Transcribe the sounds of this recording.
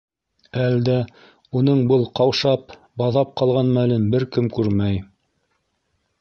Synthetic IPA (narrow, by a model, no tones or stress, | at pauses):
æld̪æ | unɤɴbɤlˠqɑwʃɑp | bɑðɑp̚qɑlˠʁɑnmælɘnbɘɾkɘmkʉɾmæj